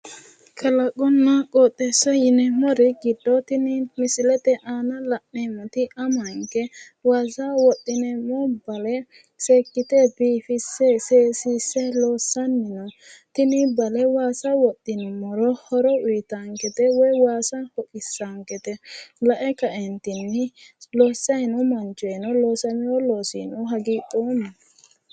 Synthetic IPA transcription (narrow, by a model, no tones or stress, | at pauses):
kʰɐlɐkʼːɔnːɐkʼɔːt̪ʼːɛsɐjɪnɛmɔɾɪɡɪd̪ːɔt̪ɪnɪmɪsɪlɛt̪ɛʔaːnɐlɐʔːɛmɔt̪ɪʔɐmɐŋkɛ | waːsɐwɔt̪ʼːɪnɛmɔbɐlɛ | seːkːɪt̪ɛbiːfɪsːɛseːsiːsːɛloːsːɐnːɪnɔ | t̪ɪnɪbɐlɛwaːsɐwɔt̪ʼːɪnmɔɾɔhɔɾɔʊjt̪aŋkɛt̪ɛwɔjwaːsɐhɔkʼɪsːaŋkɛt̪ɛlɐʔɛkɐʔɛnt̪ɪnːɪloːsːɐjnʊmɐnt͡ʃɔjɛnɔlo̞ːsɐmɪjɔloːsḭnʊɦɐɡiːpʼːoːmɐ